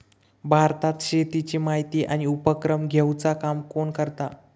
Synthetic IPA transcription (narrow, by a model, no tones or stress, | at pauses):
bʱaɾt̪at̪ɕet̪it͡ɕiːmaɦit̪iːʔañiupəkɾəmɡʱewt͡sakamkoɳkəɾt̪a